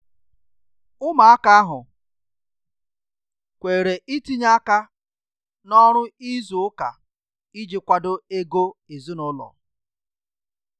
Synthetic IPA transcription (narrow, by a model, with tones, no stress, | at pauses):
ʊ˦ma˨a˦ka˦a˦ɦʊ˨ | kʷe˨ɾe˨ʔi˦ti˦ɲa˦ka˦ | nɔ˦ɾʊ˦i˦zu˨ʊ˦ka̰˨ | i˦d͡ʒɪ˦kʷa˦dʊ˦e˦ɡo˦e˨zu˦nʊ˦lɔ̰˨